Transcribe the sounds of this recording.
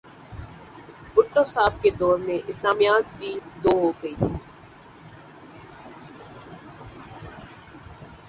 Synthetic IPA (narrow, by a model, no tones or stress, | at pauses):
bʊʈːosaːb̚ked̪ɔːɾmẽʔɪslaːmijaːt̪̚bʱid̪oːɦoɡɐiːt̪ʰiː